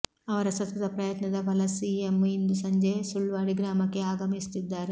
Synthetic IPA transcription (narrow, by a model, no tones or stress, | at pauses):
ɐʋɐɾɐsɐt̪ʋɐd̪ɐpɾɐjɐt̪nɐd̪ɐbɐlɐsiːemind̪usɐɲd͡ʒesuɭʋaːɽiɡɾaːmɐkːe̞aːɡɐmist̪id̪ːaːɾe